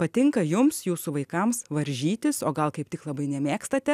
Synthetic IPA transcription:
pɐt̪ʲɪŋkɐjʊmsjuːsʊʋɐɪkɐmsʋɐɾʲʒʲiːt̪ʲɪsoːɡɐlˠkɐɪp̚t̪ʲɪklˠɐbɐɪnʲɛmʲeːkst̪ɐt̪ʲɛ

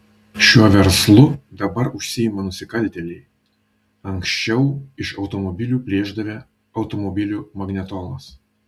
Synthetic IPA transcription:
ʃʲuɔʋʲɛɾslˠʊd̪ɐbɐɾʊʃʲsʲɪɪmɐnʊsʲɪkɐlʲt̪ʲɛlʲɛɪ | ɐŋksʲt͡ʃʲɛʊɪʃɒʊt̪ɔmɔbʲɪlʲuːpʲlʲeːʒd̪ɐʋʲɛ | ɐʊt̪ɔmɔbʲɪlʲuːmɐɡnʲɛt̪ɔːnˠoːs

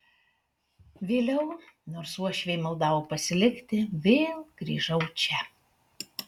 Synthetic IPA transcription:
ʋʲeːlʲɛʊnoːɾsuɔʃʲʋʲeɪmɐlˠd̪ɑːʋopɐsʲɪlʲɪkt̪ʲɪʋʲeːlˠɡ̥ɾʲḭːʒɐʊt͡ʃʲɛ

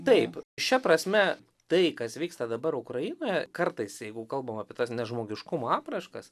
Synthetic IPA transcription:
t̪ɐɪpʃʲɛpɾɐsʲmʲɛ | t̪ɐɪkɐsʋʲiːkst̪ɐd̪ɐbɐɾʊkɾɐjɪnoːjɛkɐrt̪ɐɪsjɛɪɡʊkɐlˠbɐmɐːpʲiɛt̪ɐsnʲɛʒmoːɡʲɪʃkʊmoɑːpɾɐʃkɐs

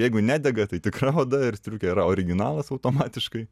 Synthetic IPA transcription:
jɛɪɡʊnʲæːd̪ʲɛɡɐt̪ɐɪt̪ʲɪkrɐoːd̪ɐɪɾst̪ʲɾʲuːkʲɛiɾɐoːɾʲɪɡʲɪnɑːlˠɐsɐʊt̪oːmɑːt̪ʲɪʃkɐɪ

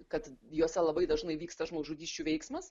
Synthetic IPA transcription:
kɐt̪joːsʲɛlˠɐbɐɪd̪ɐʒnɐɪʋʲiːkst̪ɐʒmoːʒuːɡʲiːʃʲt͡ʃʲuːʋʲɛɪksmɐs

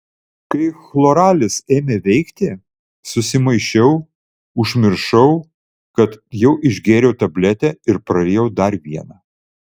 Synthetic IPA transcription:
kɐɪxlˠoɾɑːlʲɪseːmʲeːʋʲɛɪkt̪ʲɪ | sʊsʲɪmɐɪʃʲɛʊ | ʊʒʲmʲɪɾʃɐʊ | kɐt̪jɛʊʔɪʒʲɡʲeːɾʲɛʊt̪ɐbʲlʲɛt̪ʲɛɪɾpɾɐɾʲeːjɛʊd̪ɐɾʋʲiɛnɑː

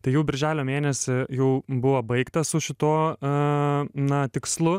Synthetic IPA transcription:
t̪ɐɪjɛʊbʲɪɾʲʒʲæːlʲoːmʲeːnʲɛsʲɪjɛʊbʊʋɐbɐɪkt̪ɐsʊʃʲɪt̪oː | nɐt̪ʲɪkslˠʊ

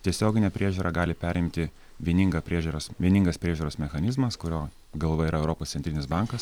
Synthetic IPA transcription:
t̪ʲiɛsʲoːɡʲɪnʲɛpʲɾʲʔiɛʒʲuːɾʔɑɡɑːlʲɪpʲæːɾʲɪmʲt̪ʲɪ | ʋʲiɛnʲɪŋɡɐpʲɾʲiɛʒʲuɾosʋʲiɛnʲɪŋɡɐspʲɾʲiɛʒʲuːɾoːsmʲɛxɐnʲɪzmɐskʊɾʲoː | ɡɐlˠʋɐiɾɐɛʊɾoːpoːssʲɛnt̪ɾʲɪnʲɪsbɑŋkɐs

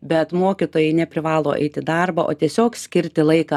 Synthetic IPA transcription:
bʲɛt̪moːkʲɪt̪oːjɛɪnʲɛpʲɾʲɪʋɑːlˠoːʔɛ̰ɪt̪ʲɪd̪ɐrbɐʔo̰ːt̪ʲiɛsʲoːksʲkʲɪɾʲt̪ʲɪlˠɐɪkɑ

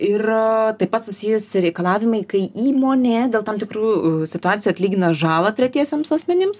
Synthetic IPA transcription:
ɪrt̪ɐɪpːɐt̪sʊsʲɪjɛsɪɾʲɛɪkɐlˠɑːʋʲɪmɐɪkɐɪʔiːmoːnʲeːd̪ʲeːlˠt̪ɐmt̪ʲɪkɾuːsʲɪt̪ʊɑːtt͡s̪ʲsʲɪjuɐt̪ʲlʲiːɡʲɪnɐʒɑːlˠɐt̪ʲɾʲɛt̪ʲiɛsʲɛmsɐsʲmʲɛnʲɪms

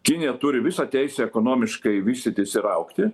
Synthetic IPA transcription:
kʲɪnʲɪjɛt̪ʊɾʲɪʋʲɪsɑːt̪ʲɛɪsʲɛːɛkoːnoːmʲɪʃkɐɪʋʲiːsʲt̪ʲɪt̪ʲɪsʲɪɾɐʊkt̪ʲɪ

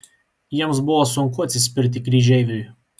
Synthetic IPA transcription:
jiɛmsbʊʋoːsʊŋkʊɐt̪ʲsʲɪsʲpʲɪɾʲt̪ʲɪkɾʲiːʒʲɛɪʋʲʊɪ

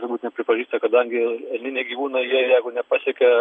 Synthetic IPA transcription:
t̪ʊɾbuːt̪nʲɛpʲɾʲɪpɐʒʲiːst̪ɐkɐd̪ɐŋʲɡʲɪɛlʲnʲɪnʲeːɡʲiːʋuːnɐɪjiɛjɛɪɡʊnʲɛpɑsʲɛkʲɛ

